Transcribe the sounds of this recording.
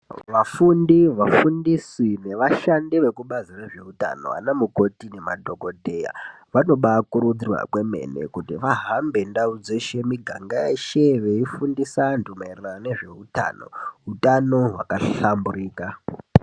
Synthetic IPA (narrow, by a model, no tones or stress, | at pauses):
ʋafundiʋafundisine̞ʋaʃandiʋe̞kuɓazire̞ʐe̞uta̰no̰a̰namuko̞tine̞ma̰dʱo̞ɡo̞dʱe̞ja̰ | ʋano̞ɓakuɾud͡zirwa̰kwe̞me̞̰nḛkutiʋaɦambe̞ndaud͡ze̞ʃe̞miɡʱaŋɡajeʃeʋeifundisandumeirarane̞ʐe̞uta̰ːno̞̰ɦutano̞ɦwa̰kaɬamburiːka